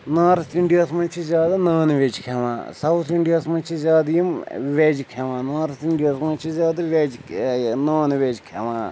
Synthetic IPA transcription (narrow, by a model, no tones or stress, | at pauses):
naːɾt̪ʰiɳɖijaːsmɐnʲt͡ʃʰizʲjaːd̪anaːnʋed͡ʒkʰeʋã̰ːsɐwt̪ʰiɳɖijaːsmɐ̃nt͡ʃʰizʲjaːd̪jimʋed͡ʒkʰeʋãːnaːɾt̪iɳɖijaːsmɐnt͡ʃʰizʲaːd̪ɐʋed͡ʒnaːnʋeːd͡ʒkʰeʋã̰ː